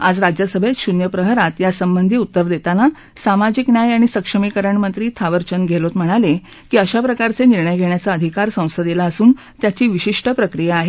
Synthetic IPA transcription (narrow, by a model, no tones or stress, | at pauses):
ad͡zɾad͡ʑjəsəbʱet̪ɕunjəpɾəɦəɾat̪jasəmbənd̪ʱiːut̪ːəɾd̪et̪ana | samad͡ʑiknjajaɽ̃isəkʂəmikəɾəɳmənt̪ɾiːt̪ʰaʋəɾt͡ɕənɡʱelot̪m̤əɽ̃ale | kiːəɕapɾəkaɾt͡seniɾɳəjɡʱeɳjat͡saəd̪ʱikaɾsə̃w̃səd̪ilaəsuːn | t̪jat͡ɕiːʋiɕiʂʈəpɾəkɾijaːɦe